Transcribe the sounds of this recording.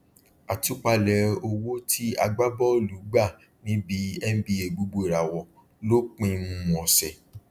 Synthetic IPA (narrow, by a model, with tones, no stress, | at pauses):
a˨tu˨˦k͡pa˧lɛ˨˧˦o˧wo˦tʰi˦a̰˧ɡ͡ba˦bɔ˦˨lu˨˦ɡ͡ba˦˨ | nĩ˦bi˨˦ɛ˦n̩˦bi˧˦e˨ɡ͡bu˨˦ɡ͡bo˦i˨ɾa˨wɔ˨ | lo˦k͡pĩ˧nũ˦ɔ̃˨sɛ˨